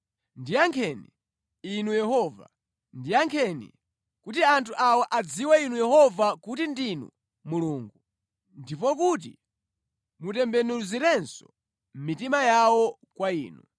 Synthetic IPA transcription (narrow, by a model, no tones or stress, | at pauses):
ndijaŋkʰɛniː | nujɛɦɔva̰ | ndijaŋkʰɛnḭ | kutiantʰuʔawɔʔad͡ziwɛinujɛhɔvakutindinṵ | muluːŋɡu | ndipɔkut̬ḭ | mutɛmbɛnuuzitɛnsɔ | m̩mitimajawɔ | kwaḭːnṵ